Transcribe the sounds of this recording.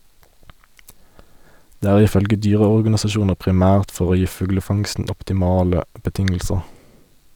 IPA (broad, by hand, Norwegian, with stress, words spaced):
ˈdeː ˈæːʁ ˈiː ˈfœlɡə ˈdyːʁəɔʁɡɑnɪsɑˌʃuːnəʁ pʁɪˈmæːʁt ˈfɔʁ ˈoː ˈjiː ˈfʉɡləˌfɑŋstn̩ ɔptɪˈmɑːlə bəˈtɪŋl̩səʁ